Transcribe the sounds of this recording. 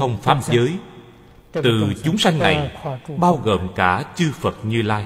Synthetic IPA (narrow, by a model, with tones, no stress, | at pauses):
ə˧wŋ͡mfaː˦˥p̚zəː˨˦j | t̪ɨ˨˩t͡ɕʊ˨˦ŋ͡msa˧jŋ̟na̰˨˩jɓaː˧wɣo̰ː˨˩mkaː˧˩t͡ɕɨ˧fə˨˩t̚ɲɨ˧laː˧j